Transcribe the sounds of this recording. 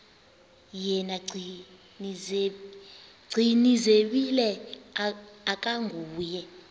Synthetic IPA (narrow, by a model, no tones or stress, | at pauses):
jɛnaɡ͡ǀʱi | ni | ɡ͡ǀʱinizeɓilɛ | ak̬ʼaŋɡʱuːjɛ